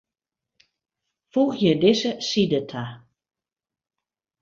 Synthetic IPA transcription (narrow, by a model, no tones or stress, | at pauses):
fuɣjədɪsəsidətʰa